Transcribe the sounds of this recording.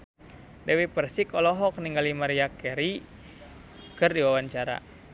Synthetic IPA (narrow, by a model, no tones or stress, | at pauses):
dɛwipərsikɔlɔɦɔk̚niŋɡalimaɾiakɛɾi | kɨrdiwawaɲt͡ʃaɾa̰